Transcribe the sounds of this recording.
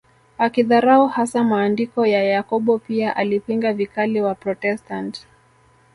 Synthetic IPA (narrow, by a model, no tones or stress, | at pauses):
akiðaɾauhasamaːndikɔjajakɔɓɔpiaʔalipiŋɡavikaliwapɾɔtɛstant